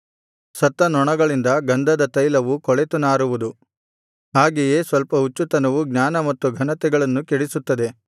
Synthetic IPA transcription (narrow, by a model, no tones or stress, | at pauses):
sɐt̪ːɐnɔɳɐɡɐɭind̪ɐɡɐnd̪ʱɐd̪ɐt̪ɐjlɐʋukɔɭet̪unaːɾuʋud̪u | ɦaːɡejeːsʋɐlpɐut͡ʃːut̪ɐnɐʋuɡnaːnɐmɐt̪ːuɡʱɐnɐt̪ɛɡɐɭɐnːukeɽisut̪ːɐd̪e̞